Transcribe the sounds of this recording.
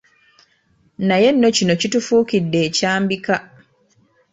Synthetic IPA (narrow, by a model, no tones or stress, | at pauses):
naje̞nːo̞cino̞citufuːkidːe̞ːcaːmbika